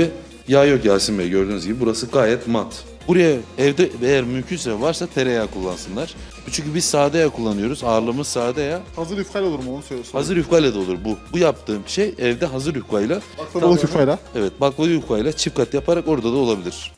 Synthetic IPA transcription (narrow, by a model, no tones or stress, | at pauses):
ɛ | jaːjok̚ɟælʲsinbɛjɟø̞ɾd̪yːnyzɟibibuɾasɯɡaːjɛt̪mat̪ | buɾajaɛvd̪ɛejæɾmymcʰyns̬ɛvvaɾsat̪ʰeɾejakʰulˠːansɯnlˠaɾ̥ | bt͡ʃʰyɲcʰybizsaːd̪ejakʰulˠːanɯjo̞ɾuzaːɾlˠɯmɯzsaːd̪ajahazɯɾyfkʰalʲolˠuɾumonsølshazɯɾyfkʰajlʲˠad̪aolˠuɾbubujap̚t̪ʰɯːmbʃejɛvd̪ɛɦazɯɾyfkʰajlˠak̪ˠb̪ˠʰifajlaɛvɛt̪̚baklˠɯyfkʰajlˠat͡ʃʰifkat̪japʰaɾako̞ɾd̪ad̪ao̞lˠabilʲiɾ̥